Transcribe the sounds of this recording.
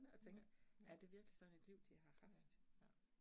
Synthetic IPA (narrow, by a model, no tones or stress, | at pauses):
nəɒ̽t͡sʰeŋɡ̥æɐd̥e̝ʋiɐɡ̥lisɒ̽n̩e̝d̥liʊ̰d̥iɦɑ̈hɑ̈fd̥